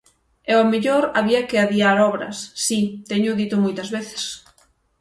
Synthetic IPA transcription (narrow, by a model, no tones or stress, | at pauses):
ɛomeʎoɾaβiɐkɪaðiaɾɔβɾɐ̰sːit̪ɛɲʊðit̪ʊmojt̪ɐzβeθe̥s